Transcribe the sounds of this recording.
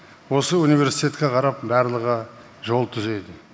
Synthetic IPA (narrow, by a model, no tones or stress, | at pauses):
wo̞səunijve̞ɾsi̥jt̪ʲe̞t̪̚kʲeqʰɑɾɑp̚bæɾlˠəʁə | ʒo̞lˠt̪ʰʏze̞d̪ɪ